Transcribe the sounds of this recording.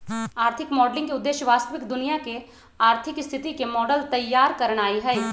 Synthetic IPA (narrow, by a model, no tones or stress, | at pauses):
aːɾt̪ʰɪkmɔːɖlɪ̃ŋɡkiʊd̪ːeːʃjəʋaːst̪əʋɪkd̪ʊnijake | aːɾt̪ʰɪkɪst̪ʰɪt̪ikemɔːɖəlt̪ɐjːaːɾkɐɾəɽ̃aːiɦɛː